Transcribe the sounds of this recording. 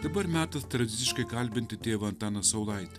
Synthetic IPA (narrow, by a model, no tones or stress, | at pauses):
d̪ɐbɐɾmʲæːt̪ɐst̪ɾɐd̪ʲɪt̪ʲɪʃkɐɪkɐlʲbʲɪnʲt̪ʲɪt̪ʲeːʋɐɐnt̪ɑːnɐsɐʊlˠɐɪt̪ʲ